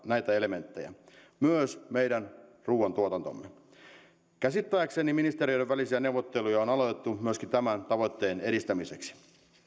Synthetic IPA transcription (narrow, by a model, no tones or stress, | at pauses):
næjt̪æe̞le̞me̞nt̪ːejæ̰ | myøsmejdænruːont̪uot̪ɑnt̪o̰mːe | kæsit̪ːæjækseniminist̪eɾiojdeʋælisiæne̞uwʋːot̪ːe̞lujɑonɑlot̪et̪ːumyøskint̪æmænt̪ɑʋo̞jt̪ːeːne̞ɾist̪æmiseksi̥